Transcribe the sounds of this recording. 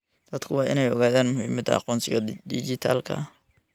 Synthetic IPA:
d̪̥ɐd̪kʰʊwɑːʔɪnɛjɔɣaːðaːnmʊhiːmɐd̪ʰɐ̰ɑ̰qɔːnsɪɣɐd̪ɪd͡ʒɪt̪ʰaːlkʰɐ̰

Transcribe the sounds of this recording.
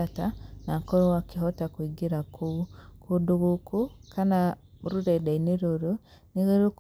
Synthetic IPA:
atanakoɾowakiɦotakwiɡiɾakukuduɡukukʰanauɾuɾedainiɾoɾu | niɣiɾuk

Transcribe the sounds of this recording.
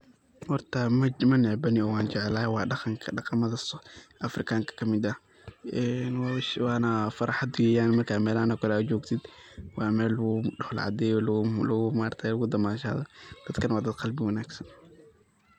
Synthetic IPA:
hɔrt̪ʰɐmɐnɪʕbɐnɪɔwɑːnt͡ʃɛʕɛlaːwɑːɖɑqɑŋkʰɐɖɑqɑmɐðɐsʔɐfrɪkʰaːŋkʰɐ̥kʰɐmɪd̪ɐ | ʔɛnwʃwɑːnɐfɐɾɑħad̪ʊjɛjaːnmɐrkʰaːmɛːlanɐkʰɔlat͡ʃɔːɡt̪ʰɪd̪ | wɑːmɛːlɣʊɖɔhl̰ʕɑ̰d̪ɛːjɔllɣʊmaːrt̪ʰɛjlɐɣʊd̪ɐmaːʃa̰ːðɔd̪̥ɐd̪kʰɐnwɑːd̪ɐd̪qɑlbɪwɐnaːɡsɐn

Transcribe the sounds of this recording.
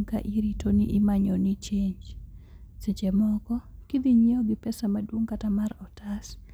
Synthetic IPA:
ŋka̰ʔiɾitoniʔɪmaɲonit͡ʃeɲd͡ʒ | set͡ʃemɔkɔkid̪iɲeɔɡɪpɛsamadwoŋkatamarɔtas

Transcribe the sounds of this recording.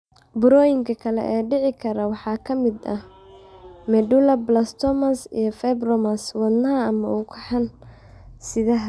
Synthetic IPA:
bʊɾɔːjɪŋkʰɐkʰɐlɛ̰ʔɛːɖɪʕɪkʰɐɾɐwɑħɑːkʰɐmɪd̪ɐ | mɛɖulɐblɐst̪ʰɔmɐsḭjɞfɛbrɔmɐswɐd̪nɐɦɐːmɐ̰ʊkʰɐħɑn | sɪðɐɦɐ

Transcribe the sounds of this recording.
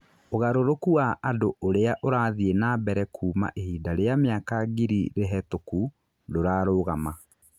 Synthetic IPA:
oɣaɾoɾokuaʔːdooɾeaʔoɾaːðienaːbɛɾɛkʰuːma̰ʔehiːdaɾeameakaɡiɾḭɾeɦɛtoku | doɾaːɾoɣama

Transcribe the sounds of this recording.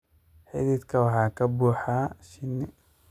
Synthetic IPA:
ħɪ̰ðiːd̪kʰɐwɑħɑːkʰɐbuːħaʃɪnːɪ

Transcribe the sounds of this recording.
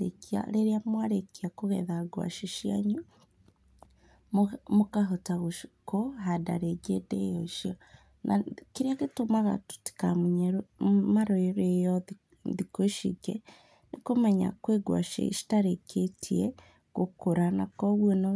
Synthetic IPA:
ekia̰leɾiamwaɾekiakuɣḛðaɡwa̰ʃiʃia̰ɲu | mukaɦotaɣuʃkoɦada̰ɾeɡedḛjoʃio | nakiɾakitumaɣa̰tu̥ti̥kamuɲeɾumaɾoeɾejo | ðikoʃḭɡe | nikumaɲa̰kweɡwa̰ːʃḛʃi̥taɾekʰetʰiḛ | kukuɾana̰koβweno

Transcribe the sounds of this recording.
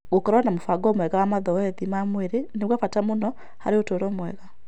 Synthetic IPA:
ɣokɔɾɔanamofaɡɔːmwɛɣawamaðɔɛðimamweɾeneβwafatamonɔ | ha̰ɾeotoɾɔːmwɛɣa

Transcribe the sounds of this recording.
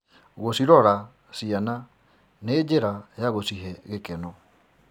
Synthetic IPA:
ɣosiɾɔɾa | siana | neːd͡ʑeɾajaɣosiɦɛɣekɛnɔ

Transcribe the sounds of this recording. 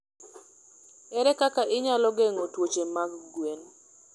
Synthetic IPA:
ɛɾɛkakaʔɪɲalɔɡeŋotwot͡ʃemaɡɡwen

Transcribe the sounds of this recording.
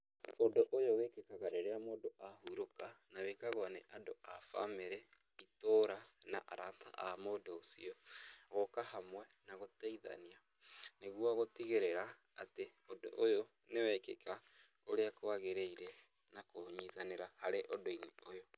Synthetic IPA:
odoʔojowekekaɣaɾeɾeamoːdoahuɾokanawekaɣwanḛʔadoafa̰meɾɛ | itoːɾanaʔaɾata̰ʔamodoːsḭɔɣokahamwɛnaɣotaiða̰nia | neɣuaɣotiɣeɾɛɾa | ateodo̰ʔojo | newɛkḛka | oɾeakoaɣeɾeiɾɛ | nakoɲiðaneɾahaɾeʔodoineojo

